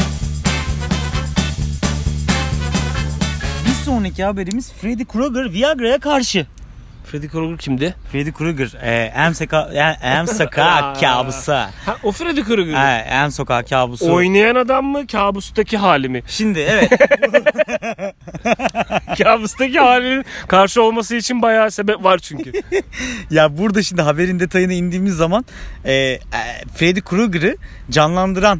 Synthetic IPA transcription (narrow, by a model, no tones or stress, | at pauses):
biɾso̞nɾacʰihabeɾimiz̥fɾed̪ikʰuɾoɡɯɾvijaɡɾajakʰaɾʃɯ | fɾed̪ikʰuɾoɡɯɾcʰimd̪ɪfɾed̪ikʰuɾuɡɯɾɛæmsakaæmsakʰacʰaːbusahɛofɾed̪ikuɾuɡɯɛæmso̞kaːcʰaːbusojnajanad̪amːɯcʰaːbust̪acʰiɦaːlʲimɪʃimd̪ɪevɛt̪ | cʰaːbust̪ac̬ihaːlʲiminkʰaɾʃɯo̞lˠmas̬ɯit͡ʃʰinbajaːse̞bɛpvaɾt͡ʃʰyɲcʰy | jaːbuɾd̪aʃimd̪iɦabeɾind̪ɛt̪ʰajɯnɯind̪iːmizːamanɛːfɾed̪ikʰuɾuɡɾɯ | d͡ʒanlˠand̪ɯɾan